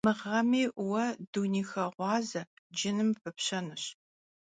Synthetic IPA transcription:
mɨʁɐmiːʔwɐduniːxɐʁʷɑːzɐ | d͡ʒɪnɨmfɨpɕɐnɨɕ

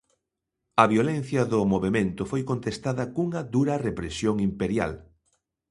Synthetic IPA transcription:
ɐβjolen̟θjɐðʊmoβemẽnt̪ʊfojkont̪est̪aðɐkuŋɐðuɾɐrepɾesjoŋimpeɾja̰l

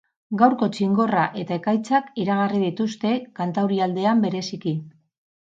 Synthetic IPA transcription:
ɡawɾko̞t͡ʃiŋɡo̞raʔe̞t̪ae̞kajt͡sakiɾaɣ̞ariðit̪ust̪e̞kant̪awɾiald̪e̞ambe̞ɾe̞siki

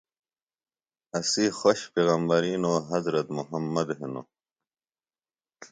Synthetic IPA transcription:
ɐsixoɕpeːɣɐmbɐɾiːnoːɦɐzɾɐt̪muɦɐmːɐd̪ɦeno̰

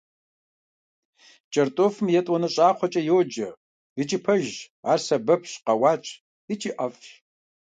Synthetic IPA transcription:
t͡ʃʼɐrtʼoːfɨmjɛtʼwɔnɐɕʼaːχʷɔt͡ʃʼɐjoːd͡ʒɐ | ɨt͡ʃʼipʰɐʒ | aːrsɐbɐpʰɕqɐwaːt͡ʃʼ | ɨt͡ʃʼiʔɐf

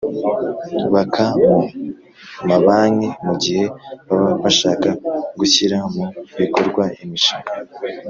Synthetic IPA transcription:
βakʰamu | maβaːɲemuɟihe̞βaβaβaʃaːkaɡuçiɾamuβiko̞ɾɡwaimiʃiŋa

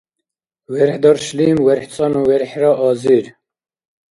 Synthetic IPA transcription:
wɛɾħd̪ɑːɾʃliːmwɛɾħt͡sʼɑːnuːwɛɾħɾɑːʔɑːziɾ

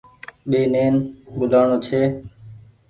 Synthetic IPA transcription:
ɓeːneːnɓʊlʱaːɳoːt͡ʃʰeː

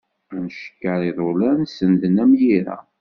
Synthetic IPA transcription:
nəʃə̥kːəɾiðˤolænsənd̪ənæmjiɾæ̰

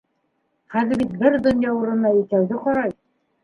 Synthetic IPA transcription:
χæðɘ̆ɾbit̪̚bɘɾd̪ŏnjɑuɾɤ̆nːɑjĭt̪æwðɘqɒɾɑj

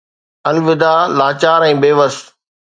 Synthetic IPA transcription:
ɐlʋɪd̪aːlaːt͡ɕaːɾɛ̃ːbeːʋəs

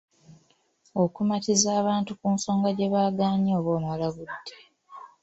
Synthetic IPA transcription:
o̞kumatizaːβaːntukuːnso̞ːŋɡaɟe̞βaːɡaːɲoːβoːmwalaɡudːe̥

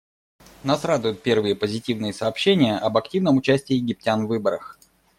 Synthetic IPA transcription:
nasrad̪ʊjʊt̪̚pʲe̞rvɨjəpəzʲɪtʲivnɨjəsɐːpɕːenʲɪjəʔɐbɐktʲivnəmʊt͡ɕæsʲtʲɪːjɪɡʲɪp̚tʲanvːɨbəɾəx

